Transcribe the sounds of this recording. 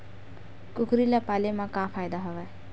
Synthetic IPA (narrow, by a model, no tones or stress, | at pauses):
kʊkɾilapalemãkapʰajd̪aɦɔʋa